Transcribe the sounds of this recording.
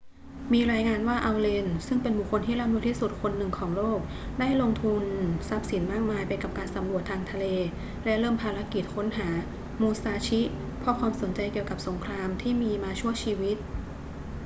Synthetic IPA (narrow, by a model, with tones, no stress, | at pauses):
miː˧ɾaː˧jŋaː˧nwaː˥˩ʔa˧wle˧nsɯ˥˩ŋpe˧nbu˨˩kʰːo˧nt̪ʰiː˥˩laː˥˩mlu˧˦˥t̪ʰiː˥˩su˨˩t̪̚kʰo˧nːɯ˨˩ŋkʰɔː˩˦ŋloː˥˩k̚ | daː˥˩jlo˧ŋt̪ʰu˧nsa˦˥p̚si˩˦nmaː˥˩k̚maː˧jpa˧jka˨˩p̚kaː˧nsa˩˦mɾu˨˩ət̪ʰːaː˧ŋt̪ʰa˧leː˧ | lɛ˦˥ʔɾɤː˥˩mpʰaː˧ɾa˧˥ki˨˩t̪̚kʰo˦˥nɦaː˩˦ | muː˧saː˧t͡ɕʰi˦˥ | pʰɔ˧˥kʰwaː˧mso˩˦nt͡ɕa˧jki˨˩əwka˨˩p̚so˩˦ŋkʰɾaː˧mt̪ʰiː˥˩miː˧maː˧t͡ɕʰu˥˩ət͡ɕʰiː˧wi˦˥t̪̚